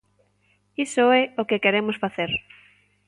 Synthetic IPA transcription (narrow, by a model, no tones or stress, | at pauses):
isoɛokekeɾemʊsfaθeɾ